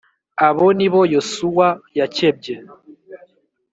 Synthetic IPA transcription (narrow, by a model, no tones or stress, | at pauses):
aβoniβo̞josuwajaceb̚ɟe